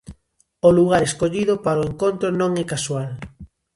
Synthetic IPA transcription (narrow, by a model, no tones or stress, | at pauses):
oluɣaɾeskoʎiðʊpaɾoeŋkont̪ɾonõŋɛkaswal